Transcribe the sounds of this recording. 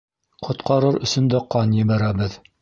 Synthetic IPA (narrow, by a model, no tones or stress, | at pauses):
qʰŏt̪qʰɑɾɤɾɵ̆sɵ̆nd̪æqɑnjɘ̆βæɾæbɘð